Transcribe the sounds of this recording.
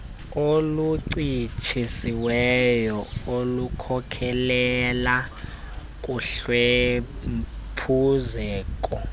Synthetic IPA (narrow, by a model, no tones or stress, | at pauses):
oluǀit͡ʃʰisiwɛjɔolukʰɔkʰɛlɛla | k̬ʼuɬwe | pʰuzɛːk̬ʼɔ